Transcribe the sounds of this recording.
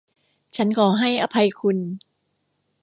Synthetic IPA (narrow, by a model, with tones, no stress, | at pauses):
t͡ɕʰa˦˥nkʰɔː˩ɦa˥˩jʔa˧pʰa˧jkʰu˧n